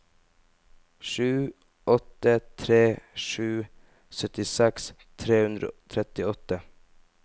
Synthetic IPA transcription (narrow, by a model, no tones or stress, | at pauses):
ʃʉː | ɔt̪ət̪ʰɾeːʃʉː | sœt̪ɪsɛks | t̪ʰɾeːhʉnd̪ɾə̰ot̪ʰɾɛt̪ɪɔt̪ə